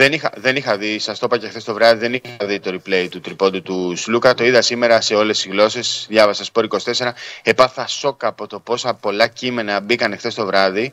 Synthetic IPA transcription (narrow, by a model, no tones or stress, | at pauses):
ðe̞nixɐðe̞nixɐðisɐst̪o̞pɐcexθe̞st̪o̞vɾɐðiðe̞nixɐðit̪o̞ɾiple̞jt̪ut̪ɾipo̞nd̪ut̪uslukɐt̪o̞iðɐsime̞ɾɐse̞o̞le̞sizɣlo̞se̞sðʝɐvɐsɐspo̞ɾikosi̥t̪e̞se̞ɾɐe̞pɐθɐso̞kɐːpo̞t̪o̞po̞sɐpo̞lɐcime̞nɐbikɐnexθe̞st̪o̞vɾɐði